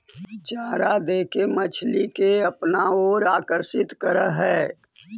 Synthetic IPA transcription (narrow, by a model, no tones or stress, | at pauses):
t͡ʃaːɾad̪eːkemət͡ʃʰlikeɐpnaoːɾaːkəɾʃɪt̪kəɾəɦɛː